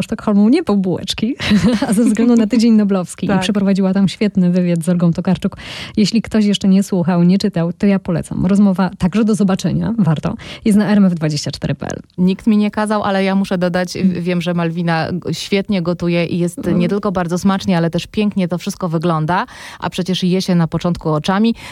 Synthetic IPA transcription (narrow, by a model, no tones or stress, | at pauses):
ʂt̪ɔkxɔlmuwɲɛpɔwbuwɛ̰t͡ʂkʲiazɛvzɡlɛnd̪unat̪ɘd͡ʑeɲnɔblɔfskʲiipʂɛpɾɔvad͡ʑiwat̪amɕfʲjɛt̪nɘvɘvʲjad̪zɔɾɡɔ̃w̃t̪ɔkaɾt͡ʂukjeɕlʲikt̪ɔɕ̬jɛʂt͡ʂɛɲɛswuxawɲɛt͡ʂɘt̪awt̪ɔjapɔlɛ̰t̪sa̰mɾɔzmɔvat̪aɡʐɛd̪ɔzɔbat͡ʂɛɲa̰vaɾt̪ɔ̰jɛst̪naɛɾɛmɛvd̪vad͡ʑeɕt͡ɕat͡ʂt̪ɛɾɘpɛ̰ʔɛ̰lɲikt̪mʲiɲɛkazawʔa̰lɛjamuʂɛd̪ɔd̪at͡ɕvʲjɛmʐɛmalvʲinaɕfʲjɛt̪ɲɛɡɔt̪ujɛʔijɛst̪ɲɛt̪ɘlkɔbaɾd̪zɔsmat͡ʂɲɛalɛt̪ɛʂpʲjɛŋkɲɛt̪ɔfʂɘst̪̚kɔvɘɡlɔnd̪aʔa̰pʂɛt͡ɕɛʂjɛɕɛnapɔt͡ʂɔ̃nt̪̚kuɔt͡ʂamʲi